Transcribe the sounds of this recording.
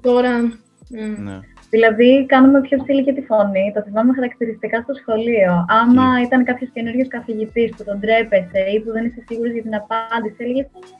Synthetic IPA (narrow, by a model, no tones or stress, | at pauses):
t̪o̞ɾɐ | ðilɐðikɐnume̞pço̞psiliʝet̪ifo̞nit̪ɐθivɐumexɐɾɐkt̪iɾist̪ikɐst̪o̞sxo̞lioɐmɐit̪ɐnkɐpço̞sce̞nuɾʝoskɐθiʝit̪isput̪o̞nd̪ɾe̞pe̞se̞ipuðe̞nisesiɣuɾozʝɐt̪inɐpɐnd̪isielʝest̪i